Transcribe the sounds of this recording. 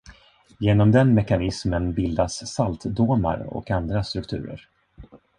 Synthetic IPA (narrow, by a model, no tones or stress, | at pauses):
jeːnɔmd̪ɛnmɛkanɪsmənbɪld̪asːalt̪d̪uːma̰ɾɔ̰kand̪ɾast̪ɾɵkt̪ʰʉ̟ːɾə̰ɾ